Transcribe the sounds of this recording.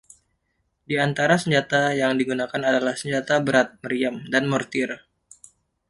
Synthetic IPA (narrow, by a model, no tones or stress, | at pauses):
diant̪aɾasəɲd͡ʒat̪ajaŋdiɡunakanadalahsəɲd͡ʒat̪abəɾat̪̚məɾiamdanmɔrt̪ɪr